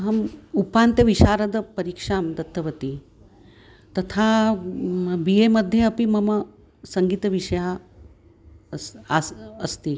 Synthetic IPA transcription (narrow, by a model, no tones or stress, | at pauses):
ɦɐmupant̪jɐʋiɕaːɾəd̪əpɐɾikʂaːmd̪ɐt̪ʰːəʋɐt̪i | t̪ɐt̪ʰa | bijemɐd̪ʱːjeɐpimɐmɐ | sɐŋɡiːt̪ɐʋiʂɐja | sːst̪i